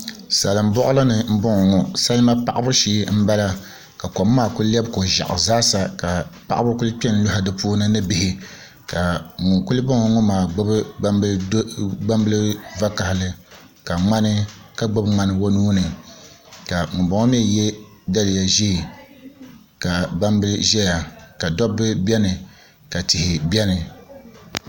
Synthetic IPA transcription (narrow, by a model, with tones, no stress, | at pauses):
sa˨lɨ˨m̩˦bɔ˦ʔʊ˦la˦nɨ˨m̩˦bʊ˦ŋɔ˨ŋɔ˨sa˦lɨ˦ma˦pa˦˨ʔa˦bʊ˦ʃiː˦m̩˦ba˦la˦ | ka˨ko˨mː˦aː˦˨kʊ˦llɛ˦bko˨ʒa̰˨ʔʊ̰˨zaː˦sa˨ka˨pa̰˦ʔa˦bʊ˦ku˦lɨ˦k͡pɛ˦n˦lʊ˦ɦa˨dɨ˦puː˦nɨ˦nɨ˦bɪ˨hɪ˦ | ka˨ŋʊ˨ku˦lɨ˦bɔ˦ŋɔ˨ŋɔ˦maː˨ɡ͡bʊ˦b | ɡ͡ba˦mbɨ˦lɨ˦va˦ka˨hɪ˨lɨ˦ | ka˨ŋ͡ma˦nɨ˦ka˦ɡ͡bo˦bŋ͡ma˦nɨ˦wo˦nuː˦nɨ˨ | ka˨ŋʊ˨ba˨ŋɔ˦mi˦˨jɛ˦ | da˦lɪ˨ja˨ʒi˦˨ | ka˨ɡ͡ba˦mbɨ˦lʒɛ˦ja˨ka˨dɔ˦bɨ˦bɛ˦nɨ˨ | ka˨tɪ˨hɪ˨bʲɛ˦nɨ˨